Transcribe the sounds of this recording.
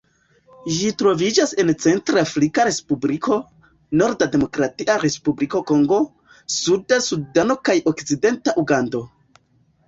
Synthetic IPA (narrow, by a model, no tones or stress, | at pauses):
ʒitɾo̞vid͡ʒase̞nt͡se̞ntɾafɾikaɾe̞spublikʰo̞ | no̞ɾdade̞mo̞kɾatiʔaɾe̞spubliko̞ko̞ŋɡo̞ | sudasudano̞kajo̞kt͡side̞ntaʔuɡando̞